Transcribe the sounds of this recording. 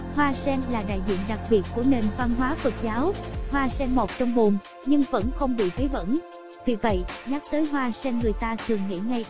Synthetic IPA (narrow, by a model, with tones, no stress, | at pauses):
hwaː˧sɛ˧nlaː˨˩ɗa̰ː˧˨jzḭ˧˨ənɗa˨˩k̚ɓi˨˩ət̚ku˧˩əne˨˩nva˧nɦwaː˨˦fə˨˩t̚zaː˨˦whwaː˧sɛ˧mmo˨˩t̚t͡ɕɔ˧wŋ͡mɓu˨˩m | ɲɨ˧ŋvə̰˧˥nxə˧wŋ͡mɓḭ˧˨vəː˨˦jvə̰˧˥n | vi˨˩və̰˧˨jɲa˦˥k̚t̪əː˨˦jɦwaː˧sɛ˧nŋɨ˨˩əjt̪aː˧t̪ʰɨ˨˩əŋŋḭ˧˨ŋa˧j